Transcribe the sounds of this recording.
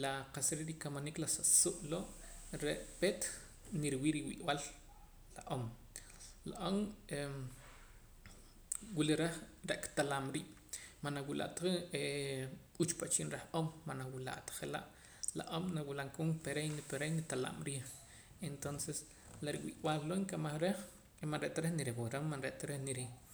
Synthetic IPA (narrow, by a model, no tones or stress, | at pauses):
laqasɾiɾikamaniklasasuʔloʔɾeʔpet̪ | niɾwiːɾiwḭʔwal | laʔom | laʔome | wiliɾaχɾaʔkt̪alamɾiːʔ | manawila̰ʔt̪aie | ut͡ʃpat͡ʃinɾaχʔomːanawila̰ʔt̪ḁχela̰ʔ | la̰ʔomnawilaŋkuŋpeɾejnpeɾejnit̪ala̰mɾiːχ | ent̪onses | laɾiwḭʔwallːoeŋkamaχɾeχ | manɾeʔt̪aɾeχniɾiwuɾamːanɾeʔt̪aɾeχniɾi